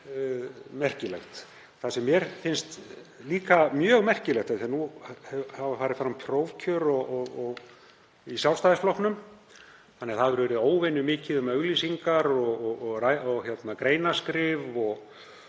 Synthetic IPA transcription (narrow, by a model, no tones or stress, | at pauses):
mɛr̥cɪlɛxt̪ | θasɛmːjɛɾ̥fɪnst̪liːkamjœːɣmɛr̥cɪlɛxt̪ɛθiɛanuhɛhavafaːɾɪfɾampʰɾoːwvcʰœɾɔɔɣɔɣ | isjawlst̪ajðɪsflowhknʏm | θanːɛθaðʏɾvɛɾʏoːwvɪnʏmɪːcɪðʏmœɣliːsiŋkaɾɔɣɔɣɣraɔɣçjɛt̪nakɾeːjnaskɾɪːvɔɣ